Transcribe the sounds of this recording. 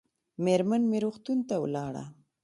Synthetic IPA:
meɾmanmeɾoxt̪unt̪awlɑɽa̰

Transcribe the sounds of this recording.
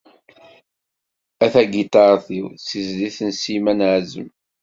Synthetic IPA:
æθæɡit̪ɑɾˤθiwsizliθənsimænʕzə̰m

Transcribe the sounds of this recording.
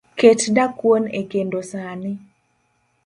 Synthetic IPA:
ketdakwonḛkendosanɪ

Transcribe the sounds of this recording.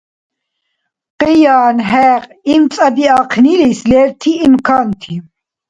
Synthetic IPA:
qijaːnɦɛːqimt͡sʼabiaqʰnilislɛːɾt̪ʰiːmkʰaːnt̪ʰi

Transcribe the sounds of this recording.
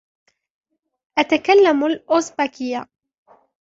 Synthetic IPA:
ʔat̪akalːamalʔosbakɪja

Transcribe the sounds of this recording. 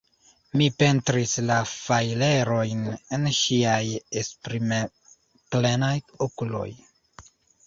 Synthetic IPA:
mipe̞ntɾislafajle̞ɾo̞jnenʃiajespɾime | plenajokulo̞̰j

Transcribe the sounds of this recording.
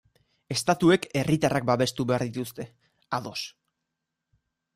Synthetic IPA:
e̞st̪at̪ue̞ke̞rit̪arak̚baβe̞st̪uβe̞aɾðit̪ust̪e̞ | aðo̞s

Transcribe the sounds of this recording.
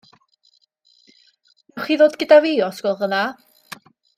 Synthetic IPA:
mɛwχiːðoːdɡədavijɔsɡ̥wɛlˠðəna

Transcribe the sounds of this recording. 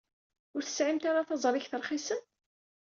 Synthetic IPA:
ʊɾθə̥sʕimt̪aɾaθɑzˤɾˤɪçθəɾˤχisən

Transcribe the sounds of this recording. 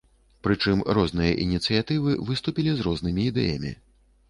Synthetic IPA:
pɾɨt͡ʂɨmɾɔznɨjɐ̰ʔinʲit̪sɨjat̪ɨvɨvɨst̪upʲilʲizrɔznɨmʲiːd̪ɛ̰jɐ̰mʲḭ

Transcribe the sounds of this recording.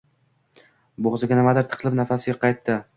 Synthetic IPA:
boʁzɪɡʲanɪmad̪ɪɾt̪ʰɨ̥qʰlˠɪpnafasɪɡʲaqʰɑjt̪ːɪ

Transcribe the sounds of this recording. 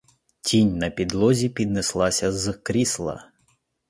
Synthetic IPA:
tʲinʲnɐpʲid̪lˠɔzʲipʲid̪neslˠɑsʲɐzkɾʲislˠɐ̰

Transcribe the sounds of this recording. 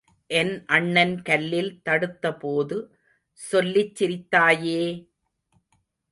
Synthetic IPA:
ʔɛnʔɐɳːɐnkɐlːɪlt̪ɐɽɯt̪ːɐpoːðɯ | sɔlːɪt͡ʃːɪɾɪt̪ːaːjeː

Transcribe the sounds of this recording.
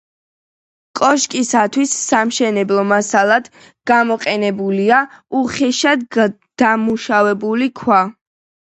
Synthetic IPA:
kʼɔʃkʼisat̪ʰwisːamʃɛnɛblˠɔmasalˠad̪̥ | ɡ̥amɔqʼɛnɛbuliauχɛʃad̪ | d̪̥amuʃavɛbulikʰwa

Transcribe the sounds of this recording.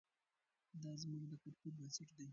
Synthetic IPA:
d̪ɑzmuɡd̪əkaɾpubəsɪʈd̪aj

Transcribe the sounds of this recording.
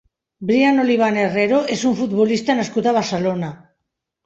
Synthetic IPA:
bɾiano̞liβ̞anereɾoesuɱfut̪βolist̪anaskut̪aβaɾselona

